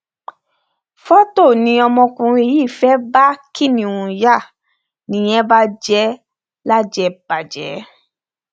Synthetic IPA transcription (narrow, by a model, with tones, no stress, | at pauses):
fɔ˦to˦˨nĩ˧˦ɔ˧mɔ̃˧kũ˧ɾ̃e˧ji˦˨fɛ˨˦ba˦kʰi˦˨nĩ˨wũ˨ja˦˨ | nĩ˨j̃ɛ̃˦ba˦d͡ʒɛ˦ | la˦d͡ʒɛ˧˦ba˨d͡ʒɛ̰˨˦